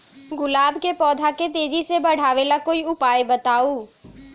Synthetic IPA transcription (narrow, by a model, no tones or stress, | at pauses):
ɡʊlaːbkepɔːd̪ʱaket̪eːd͡ʒisebəɽ̤aːʋeːlakoːiʊpaːjbət̪aːuː